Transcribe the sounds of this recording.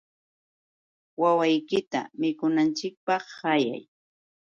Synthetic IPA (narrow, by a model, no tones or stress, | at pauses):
wawajkɪt̪a̰mɪkʊnant͡ʃɪk̚pɑχːaja̰j